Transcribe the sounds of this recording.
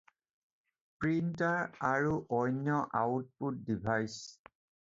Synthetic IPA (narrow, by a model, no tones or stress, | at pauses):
pɹintaɹaɹuʔɔjnjɔʔaut̚put̚dibʱajs